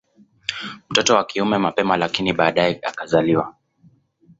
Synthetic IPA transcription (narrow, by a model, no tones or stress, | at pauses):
m̩tɔtɔwakiumɛmapɛmalakiniɓaːɗajɛa̰kazaliwa